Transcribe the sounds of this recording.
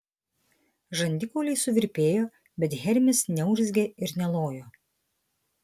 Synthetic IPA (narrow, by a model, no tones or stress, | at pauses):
ʒɐnʲd̪ʲɪkoːlʲɛɪsʊʋʲɪɾʲpʲeːjoː | bʲɛt̪ɣʲɛɾʲmʲɪsnʲɛʊʒʲzʲɡʲeɪɾnʲɛlˠoːjoː